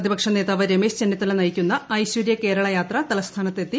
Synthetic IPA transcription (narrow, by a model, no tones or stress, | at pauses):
ɐðibɐkʂɐneːt̪aːʋɐɾemeːst͡ɕenːiɐt̪ːɐlɐnɐjikʲːunːɐɐjɕwuɾjɐke̞ːɾɐɭɐjaːt̪rɐt̪ɐlɐst̪ʰaːnɐt̪ːet̪ːi